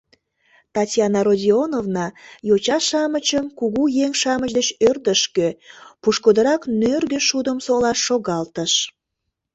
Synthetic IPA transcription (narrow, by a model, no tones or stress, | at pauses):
t̪ɑtʲjɑnɑɾodʲionovnɑjot͡ɕɑʃɑmət͡ɕəmkuɣujeŋʃɑmət͡ɕd̪ət͡ɕørd̪əʃkøpuʃkod̪əɾɑknørɣəʃud̪əmsolɑʃːoɣɑlt̪əʃ